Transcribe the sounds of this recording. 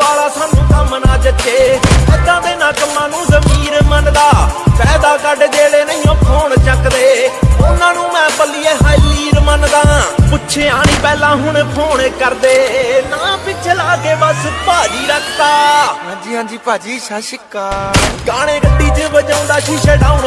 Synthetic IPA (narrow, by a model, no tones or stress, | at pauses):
ʋaːlaːsʰaːnũːsaːmənaːd͡ʒət͡ʃʰeːəd̪ãːd̪eːnaːkmãːnũːzəmiːɾmənd̪aːpɛːd̪aːkəɖd͡ʒeːɽeːnəɪ̃jõːpʰoːɳt͡ʃəkd̪eːʊnãːnũːmɛ̃ːpəliːeːɦaːiliːɾmənd̪ãːpʊtːʃʰeːaːɽ̃ĩːpɛːlãːɦʊɳpʰoːɳkəɾd̪eːnãːpɪt͡ʃʰlaːkeːʋəspaːd͡ʒiːɾəkʰt̪aːɦãːd͡ʒiːɦãːd͡ʒiːpaːd͡ʒiːʃʃɪkaːɡaːɽ̃ẽːkəɖiːd͡ʒəbəd͡ʒãːʊ̃ːd̪aːʃɪʃeːɖaːʊɳ